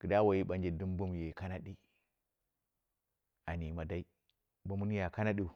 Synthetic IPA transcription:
ɡ̥ə˨da˦wa˨ji˦ɓa˨n˦d͡ʒi˨du˦m˦bu˦m˨je˨ka˦na˦ɗi˦ | a˨ni˨ma˨da˦i˦ | bu˦mu˦n˦ja˨ka˦na˦ɗi˦u˨

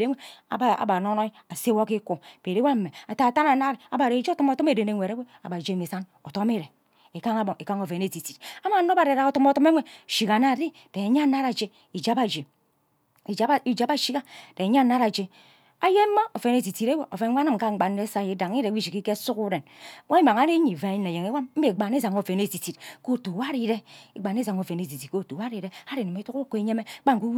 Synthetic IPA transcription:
ɾe˦ŋʷe˦a̰˨ba˦a̰˨ba˨no˦no˦i˦a˨se˦wo˦ki˦ku˨b̥e˨ɾe˦wa˦m̩˦me˨a˨ta˨ta˦na˨na˦ɾa˨ba˨ɾe˨˦d͡ʒi˦o˦tɔ˦mo˨tɔ˦me˨de˨ne˨ŋʷe˨ɾe˦we˦a˨ba˨d͡ʒe˦˨me˨sa˦no˨to˦m˦i˦ɾe˨ | e˨ka˦ŋa˦bo˨ŋe˨ka˦ŋo˨fe˨ne˨ti˨ti˨ta˦ma˨˦no˦ba˨ɾɾa˨ko˨tɔ˦m˦o˦tɔ˦me˦ŋʷe˨ʃi˨ka˨na˦˨di˦ | d̥e˨ɲa˦na˦ɾa˨d͡ʒe˨ | i˨d͡ʒa˦ba˨d͡ʒe˨˦ | i˨d͡ʒa˦ba˦ʃi˦ka˦de˨ɲ˦a˦na˦ɾa˨d͡ʒe˨ | a˦je˦m̩˦ma˦o˨fe˨ne˦˨ti˨ti˨ɾe˦we˨o˨fe˨nʷ˦a˦nɨ˦˨m̩˨ka˦ŋ͡m̩˦ɡ͡ba˨n˦e˦sa˦˨je˨˦da˨ŋ˦i˦ɾe˨wi˦ʃi˨ki˦ke˦su˦ku˦ɾe˨n˦wa˦i˦ma˨ŋa˨˦ɾe˦ɲi˨va˨i˦ne˨je˨ŋe˦wa˦mm̩˦be˨ɡ͡ba˨ne˦za˨ŋo˨fe˨ne˦˨ti˨ti˨tko˦˨tu˨wa˦ɾi˦ɾe˦i˦ɡ͡ba˨ne˦za˨ŋo˨ve˨ne˨t̬i˨ti˨ko˦˨tu˨wa˦ɾi˨ɾe˦a˦ɾi˨ni˨me˦tu˦kko˨e˦ɲe˦me˦k͡pa˦ŋ˨ku˦

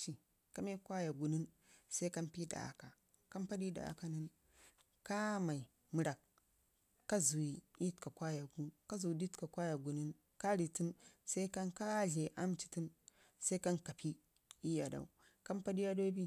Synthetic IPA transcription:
t͡ʃi˨ | ka˦me˦kwa˦ja˨ɡu˨ni˦n | sa˦i˦ka˦npi˦da̰˨ka˨ | ka˦mpa˦di˦da̰˨a̰˨ka˦nɨ˦n | ka˦ma˨i˨ | mɨ˨ɾa˨kː | a˦zu˨i˨i˦tka˨kwa˦ja˨ɡu˦ka˦zu˨di˦tka˨kʷa˦ja˨ɡu˨ni˦n | ka˦ɾi˨ti˦msa˦i˦ka˦nka˦ɮe˨ʔa˦mt͡ʃi̥˨tɨ˦m | sa˦i˦ka˦nka˨pʰi˦ | i˦ja˨da̰˨u˨ | ka˦mpa˦di˦ja˦do˦bi˦

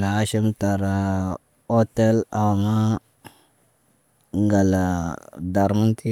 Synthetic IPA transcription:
la˨a˦ʃi˦mta˨ɾa˨ | o˦te˦la˨wma˦ | ŋɡa˨la˨da˨ɾma˦ntʰi˦

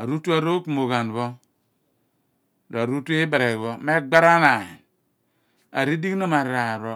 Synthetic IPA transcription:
a˨ɾu˦tu˦a˦ɾo˦ku˨mo˨ɣa˨n˨βo˦ | ɾa˨ɾu˦tu˦i˦ba˨ɾe˨ɣβo˦me˦ɡ͡ba˦ɾa˦na˨e˨n | a̰˨ɾi˦di˦kno˦ma˨ɾa˨ɾo˦

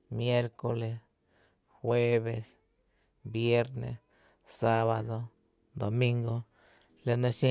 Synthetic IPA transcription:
mje˦ɾko˧le˧s | xwe˦βe˧s | bje˦ɾnḛ˨s | sa˦βa˧d̪o˧ | d̪o˨mĩ˦ŋɡo˧ | la˧na˧ʃi˦

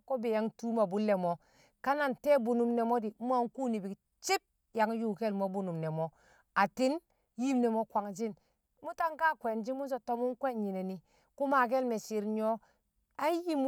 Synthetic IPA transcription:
ko˦be˨ja˦ŋtu˦ma˨bu˦lːe˨mo˨ | ka˦na˨nte˦bu˨nu˨mne˨mo˦di˨˦mʷ˦a˦ŋku˦ni˨bi˨k | t͡ʃi˦p̚ | ja˨ŋju˦˨ke˦lmo˦bu˨nu˨mne˨mo˨ | a˨ti˦n | ji˦mne˨mo˦kʷa˨ŋd͡ʒi˦n | mu˦ta˦ŋka˦kʷe˨nd͡ʒi˦mu˦so˨to˦mu˦ŋkwe˦ɲi˨ne˨ni˨ | ku˦ma˨k̬e˦lme˨si˨ɾɲo˦ | a˦ji˦m˦

